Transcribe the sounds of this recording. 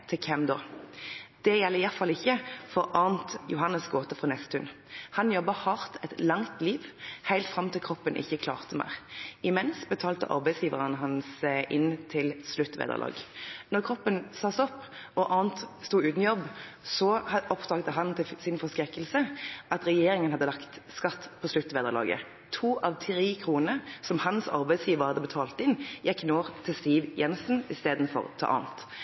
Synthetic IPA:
t̪ʰɪkʰɛmd̪oː | d̪̥ɛjɛlːəʁɪjæʁt̪fɑlɪçːəfɔʁʔɑːʁnt̪jʊɦɑnːəsɡoːt̪əfʁɑnɛst̪ət̪ʰʉn | hɑnjɔbːəhɑʁt̪ɛt̪lɑŋt̪liːʋhæɪlt̪fʁɑmt̪ʰɪlkʰʁɔpːənʔɪ̰çːəkʰlɑːʁt̪əmæ̰ʁɪmɛnsbət̪ʰɑːlt̪ə̰ʔɑ̰ʁbæɪsjiːʋəʁənəɦɑnsɪʔɪnt̪ʰɪlslʉt̪ːʋḛːd̪ə̰lɑ̰ːɡnɔʁkʰʁɔpːənsɑsɔpːɔʔɑːnt̪st̪uːʉːt̪n̩jɔbsɔɑɔpd̪ɑːɡd̪əɦɑnt̪ʰɪsɪnfɔʁskɾɛkːəlsəʔɑt̪ʁɛjeːɾɪŋənhɑd̪ːəlɑkt̪skɑt̪ːpʰɔslʉt̪ːʋeːd̪əʁlɑ̰ːɡə̰ | t̪ʰuːʔɑʋt̪ʰʁiːkʰʁuːnəsɔmhɑnsɑ̰ʁbæɪd̪sjiːʋəʁhɑd̪əbət̪ʰɑːlt̪ɪnjɛkːnoːʁt̪ʰɪlst̪iːʋjɛnsn̩ɪst̪eːd̪n̩fɔ̰ʁt̪ʰɑ̰ːʔɑ̰ːnt̪

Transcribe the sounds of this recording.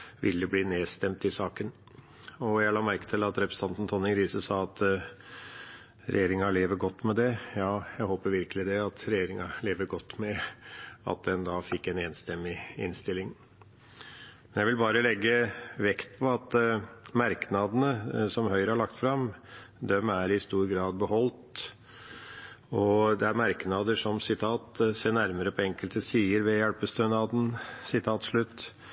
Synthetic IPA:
ʋɪ̰lːəbliːneːst̪ɛmt̪ɪsɑːkən | ɔjælɑːmæɾkə̥t̪ʰɪlɑt̪ɾɛpɾəsət̪ʰɑnt̪ən̩t̪ʰɔnːɪŋɾiːsəsɑːɑt̪ | ɾʔɛ̰jeːɾɪŋɑɭeːʋəɡɔt̪ːmɛd̪ɛjɑːjæɪhoːpəɾʋɪɾkəlɪd̪ɛɑt̪ɾɛjeːɾɪŋɑleːʋəɾɡɔt̪ːmɛ | ɑ̰t̪̚d̪ɛnd̪ɑːfɪkːɛneːnst̪ɛmːɪɪ̰nst̪ɪlːɪŋ | mmɛnjæɪʋɪlbɑːɾəlɛɡːəʋɛkt̪̚pʰɔɑt̪mæɾknɑd̪ənəsɔmɦœʏɾəhɑɭɑkt̪fɾɑmd̪ɛmæɾɪst̪uːɾɡɾɑːd̪̚bəɦɔlt̪ | ɔd̪ɛæɾmæɾknɑd̪əʂɔmsɪt̪ʰɑːt̪seːɳæɾməɾəpʰɔɛŋkəlt̪əsiːəɾʋɛjælpəst̪œnɑːd̪n̩sɪt̪ʰɑːt̪ʂɭʉt̪ː

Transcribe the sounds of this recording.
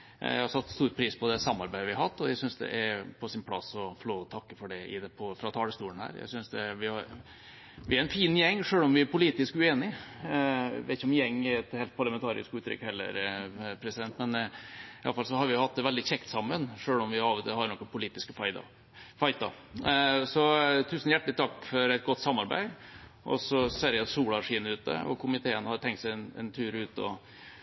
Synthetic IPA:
jæ̰hɑɾsɑt̪ːst̪uːɾpʰɾiːspʰɔd̪ɛsɑmːɑɾbæɪəʋɪæɑt̪ːɔjæɪsʏnsd̪ɛ̰ʔæɾpʰɔsɪnpʰlɑ̰sɔfɔloːɔt̪ʰɑkːəfɔɖɛɪpʰɔfɾɑt̪ʰɑːləst̪uːənhæ̰ːɾjæ̰ɪsʏnsd̪ɛʋɪhɑɾ | ʋɪæɾɛnfiːnjɛŋːʂøːɭɔmʋɪæɾpʊliːt̪ɪskʉeːnɪ | ʋɛt̪ɪçəɔmjɛŋːɛɾɛt̪heːlt̪̚pʰɑɾɭɑmɛnt̪ʰɑːɾɪ̰skʉːt̪ʰɾʏ̰kːhɛlːə̰ɾpʰɾɛsɪd̪ɛnt̪mɛnɪɑ̰fɑlsɔhɑɾʋɪʊhɑt̪̚d̪ɛʋɛld̪ɪçɛkt̪sɑmːənʂøːlɔmʋɪɑːʋt̪hɑɾnɔkːənpʰʊliːt̪ɪskəfɑɪt̪ | fɑɪt̪ɑ̰ | sɔt̪ʰʉːsn̩jæʈːlɪt̪ʰɑkːfɔɾɛɪt̪̚ɡɔt̪ːsɑmːɑɾbæ̰ɪ | ʔɔ̰sɔseːɾjæsuːlɑʂiːnəʉːt̪̚d̪ə̰ɔ̰kʰʊmɪt̪ʰeːənhɑɾt̪ʰɛŋkt̪sɛɪnɛ̰nt̪ʰʉːɾʉːt̪ɔ̰

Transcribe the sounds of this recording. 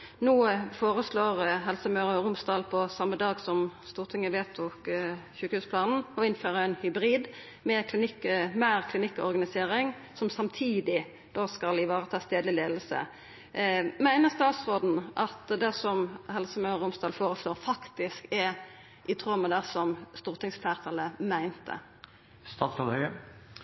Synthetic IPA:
nuːəfoːɾəsloːʁɦɛlsəmɑʉɾəɾʊmsd̪ɑːlpʰɔsɑmːəd̪ɑːɡsɔmst̪uːʁt̪ʰɪŋːəʋeːt̪ʰʊkɕʉːkəhʉːspʰlɑːnn̩ɔɪnføːʁəæɪnhʏbɾiːd̪ | mɛkʰlɪnɪkːmæʁkʰlɪnɪkːɔ̰ʁɡɑnɪseːɾɪŋ | sɔmsɑmt̪ʰiːd̪ɪ | d̪̥oːskɑlɪʋɑːʁət̪ʰɑːst̪eːd̪lɪleːd̪l̩sə̰ | mæɪnəʁst̪ɑːt̪sʁoːd̪n̩ʔɑt̪d̪ɛsɔmhɛlsəmœəɾʊmsd̪ɑːlfoːʁəsloːʁfɑkt̪ɪskɛɾ | ʔɪt̪ʰʁœmːəd̪ɛsɔmst̪uːʁt̪ʰɪŋsfæʁt̪ʰɑləmæɪnt̪ʰə̰ | st̪ɑːt̪sɑlhœʏə

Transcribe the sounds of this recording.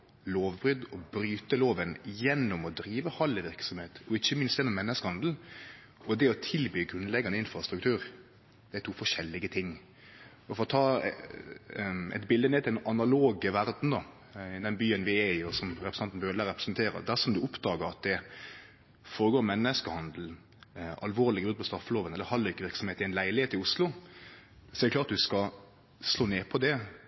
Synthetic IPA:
loːʋbɾʏd̪ɔbɾyːt̪əloːʋənjɛnːʊmɔd̪ɾiːʋəhɑləʋɪɾksɔmheːt̪ɔɪçːəmɪnst̪jɛnːɔmːɛnːəskəhɑnd̪l̩ | ɔd̪ɛɔt̪ʰɪlbyːɡʁʉnlɛɡɑnəɪnfɾɑst̪ɾʉkt̪ʰʉːɾ | d̪̥ɛæɪt̪ʰuːfɔʂɛlːɪɡət̪ʰɪŋː | ɔfɔɾɔt̪ʰɑː | ɛ̰t̪bɪld̪əneːt̪ʰɪlɛɑnɑloːɡəʋæɾd̪n̩d̪ɑ | ɪd̪ɛnbyːənʋɪɛɪɔsɔmɾɛpɾsɑnt̪n̩bœɾd̪əlæːɾɛpɾəsnt̪ʰeːɾə̰d̪æʂɔmd̪ʉʊpd̪ɑːɡəɾɑt̪̚d̪ɛ | foːɾəɡoːɾmɛnːəskəhɑnd̪l̩ | ʔɑ̰lʋoːɾlɪɡəbʉd̪pʰɔst̪ɾɑfːəloːʋənɛlːəɾhɑlːɪkːəʋɪɾksɔmheːt̪ɪɛɪnlæɪlɪheːt̪ɪʊslʊ | sɔɛɾd̪əklɑːɾt̪̚d̪ʉskɑ | sloːneːpʰɔd̪ɛ

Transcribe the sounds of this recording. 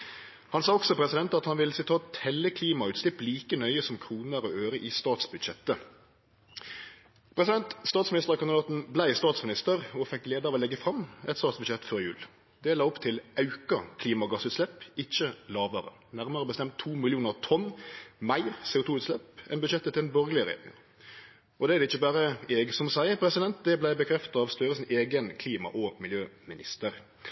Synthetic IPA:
hɑnsɑːɔksɔpʰʁɛsɪd̪ɛnt̪ɑt̪hɑnʋɪlsɪt̪ʰɑːt̪hɛlːəkʰliːmɑʉːt̪slɪpliːkənœʏəsɔmkʰʁuːnəæʁɔøːʁəʔɪst̪ɑːt̪sbʉd̪ʃɛt̪ːə | pʰʁɛsɪd̪ɛnt̪st̪ɑːt̪smɪnɪst̪əʁkɑnd̪d̪ɑːt̪n̩blæɪst̪ɑːt̪smɪnɪst̪əʁɔfɛkːleːd̪əɑʋɔːlɛɡːəfɾɑmɛt̪st̪ɑːt̪sbʉd̪ʃɛt̪ːfɔʁjʉ̰ːl | d̪eːlɑːɔpt̪ʰɪlɑʉkɑkʰliːmɑɡɑsʉːt̪slɛpːɪçːəlɑːʋəɾə̰ | næɾməɾəɔbəst̪ɛmt̪ʰːuːmɪlɪuːnəʁt̪ʰɔnːmæɪɾseːʊt̪uːʉːt̪slɛpɛ̰nbʉʃɛt̪ːət̪ʰɪlɛnbɔɾɡəlɪəɾɛ̰jḛːɾɪ̰ŋɑ̰ | ʔɔd̪ɛæd̪ɛɪçːəbæːɾəɛːɡsɔmsæɪəpʰɾɛsɪd̪ɛnt̪̚d̪ɛblæɪbəkʰɾɛft̪ɑɑʋst̪œɾəsɪneːɡənkʰliːmɑ̰ʔɔmɪljøːmɪnɪ̰st̪əɾ

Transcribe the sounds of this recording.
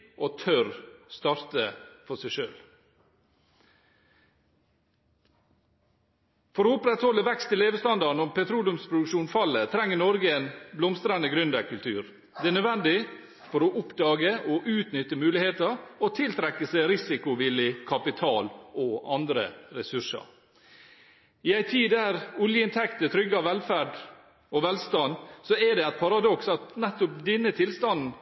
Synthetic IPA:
ʔot̪ʰœɾst̪ɑːɾt̪əfɔsæɪʃø̰ːl | fɔɾoːʊpɾɛt̪hɔlːəʋɛkst̪ʰɪleːʋəst̪ɑnd̪ɑɳ̩ɔmpɛt̪ʰɾuːlʉmspʰɾʊd̪ʉkʃuːnfɑlːət̪ʰɾɛŋːənɔɾɡəeːnblɔmst̪ɾɑnəɡɾʉnd̪əkʰʉlt̪ʰʉːɾ | d̪ɛænœd̪ʋɛnd̪ɪ | fɔɾoʔʊpd̪ɑːɡəʔɔʔʉːt̪nʏt̪ːəmʉːlɪheːt̪əɔt̪ʰɪlt̪ʰɾɛkːəsæɾɪsɪkʊʋɪlɪkʰɑpɪt̪ʰɑːlʔɔɑnd̪ɾə̰ɾɛsʉʂə̰ɾ | ɪæɪt̪ʰiːd̪æɾʊljəɪnt̪ʰɛkt̪ət̪ʰɾʏɡːəɑʋɛlfæɖ | ɔʋɛlst̪ɑnsɔɛɖɛæɪt̪̚pʰɑɾɑd̪ɔksɑt̪nɛt̪ːʊp̚d̪ɛnːət̪ʰɪlst̪ɑnn̩

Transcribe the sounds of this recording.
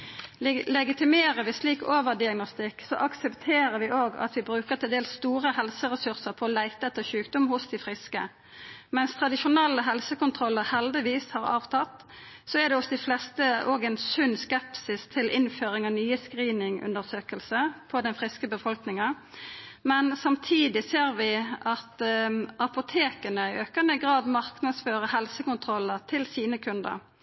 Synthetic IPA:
lɛɡɪt̪ɪmeːɾəʋɪsliːkoːʋəʁd̪ɪɑɡnɔst̪ɪkːsɔʔɑksɛpt̪ʰeːɾəʋɪʔoːɡɑ̰t̪ʋɪbɾʉːkəʁt̪ʰɪld̪eːlsst̪uːʁəhɛlsəʁɛsʉʁsəʁpʰɔːlæɪt̪əɛt̪ːəʃʉːkd̪ɔmhʊsd̪ɪfʁɪskə̰ | mɛnst̪ʰʁɑd̪ɪʃʊnɛlːəɦɛlsəkʊnt̪ʰʁɔlːəʁhɛld̪ɪʋiːshɑʁɑ̰ːʋt̪ʰɑt̪ | sɔɛd̪ɛɔsd̪ɪflɛst̪əoːɡɛɪnsʉnːskɛpsɪst̪ʰɪlʔɪnføːɾɪŋɑʋnyːəskʁiːnɪŋʉ̰nd̪əʁsøːkəlsəpʰɔd̪ɛnfʁɪskəbəfɔlknɪŋɑ | mɛnsɑmt̪ʰiːd̪ɪseːɾʋɪɑt̪ʔɑpʊt̪ʰeːkənəɪʔøːkənəɡʁɑːd̪mɑʁknɑd̪sføːʁəhɛlsəkʊnt̪ʰʁɔlːəʁt̪ʰɪlsiːnəkʰʉnd̪ə̰ʁ

